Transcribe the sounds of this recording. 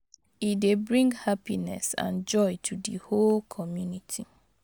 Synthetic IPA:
idebɹĩŋɡhapinɛ̰sã̰nd͡ʒɔɪtʰudiholkʰɔmjunitʰi

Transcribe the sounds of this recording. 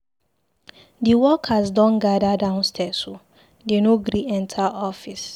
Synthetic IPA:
diwɔkʰazdɔ̃nɡadadãʊ̃nstʰɛso | denoɡɾiɛ̃ntʰaʔɔfis

